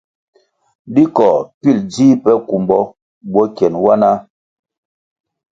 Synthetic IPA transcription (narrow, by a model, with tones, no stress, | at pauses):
di˦kɔ˨pi˦˨ld͡ziː˦pɛ˦ku˨mbɔ˦ | bɔ˦kɛ˨nwa˦na˦